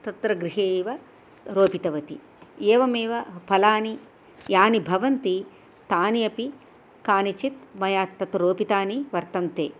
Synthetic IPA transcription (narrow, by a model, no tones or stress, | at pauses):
t̪ɐt̪ɾɐɡɾiɦeːʋɐ | ɾoːpit̪ɐʋɐt̪ḭ | eːʋɐmeːʋɐpʰɐlaːni | jaːnibʱɐʋɐnt̪i | t̪aːnijɐpi | kaːnit͡ʃit̪̚mɐjaːt̪ːɐt̪ɾoːpit̪aːniʋɐɾt̪ɐnt̪eː